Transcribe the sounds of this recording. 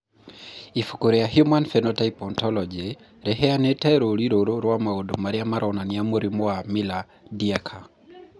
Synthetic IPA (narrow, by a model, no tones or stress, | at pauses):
ifu̥koɾeaɦjumanfɛnɔtaipɔntɔlɔd͡ʒe | ɾɛɦɛanɛtɛɾoɾiɾoɾoɾwamaodomaɾiamaɾʔɔnaniamoɾimoamila | diakʰa